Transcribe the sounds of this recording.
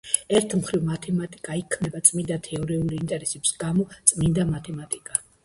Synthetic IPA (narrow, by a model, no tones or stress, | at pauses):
ɛɾt̪ʰmχɾivmat̪ʰɛmat̪ʼikʼaikʰmnɛbat̪sʼmind̪at̪ʰɛɔɾɛuɾiːnt̪ʼɛɾɛsɛbi̥sɡamɔt̪sʼmind̪amat̪ʰɛmat̪ʼikʼa